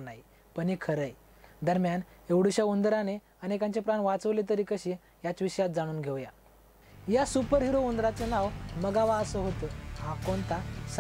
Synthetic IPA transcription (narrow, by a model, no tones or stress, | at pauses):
nai | pəɳikʰəɾəj | d̪əɾmjaneʋɽuɕjaund̪ɾane | ənekãɲt͡ɕepɾanʋat͡səʋlet̪̬əɾikəɕi | jat͡sʋiɕəjat̪̚d͡zaɽ̃uːnɡʱeʋja | jasupəɾɦiɾound̪ɾat͡sənaʋməɡaʋaəsəɦot̪əɦakont̪as